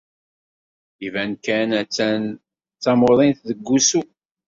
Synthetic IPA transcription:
ivænkænæt͡sːæn | t͡sːɑmoðˤinθðəɡːusu

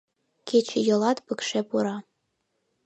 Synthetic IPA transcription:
kʲet͡ɕʰɘ̆jɤ̆lˠɑt̪pɤ̆kʃepuɾɑ

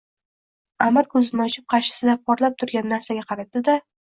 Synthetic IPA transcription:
amɪɾkʰɵzɪnɪɒt͡ʃɪp̚qʰɑɾʃɪ̥sɪd̪apʰɒɾlˠap̚t̪ʰʊɾɡʲanːaɾsaɡʲaqʰɑɾat̪̚ːɪd̪a

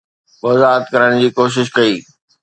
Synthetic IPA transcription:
mɐzaːət̪kɐɾəɽ̃d͡ʑiːkoːʃ̬ɪʃ̬kɐiː

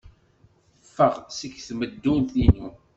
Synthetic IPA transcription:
θəfːəʁsəkːθməd̪ːunθinu

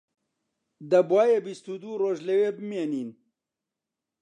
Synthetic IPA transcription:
d̪ɐbwaːjebist̪ud̪uːroːʒlɐweːbɨmeːniːn

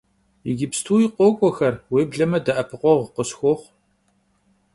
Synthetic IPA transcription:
ɪɡʲɪpstʰuːjiqʷoːkʷʼɔxɐrweːbɮɐmɐdɐʔɐpʰɨqʷɔʁqəsxʷɔːχʷ

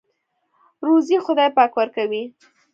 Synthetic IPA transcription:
ɾozixʊd̪ɑjpɑkwəɾkawi

